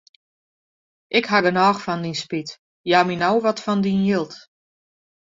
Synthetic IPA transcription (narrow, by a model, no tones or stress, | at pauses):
ʔɪkhaɡənɔːxfɔndinspit | jaminawʋɔtfɔndinjɪlˠt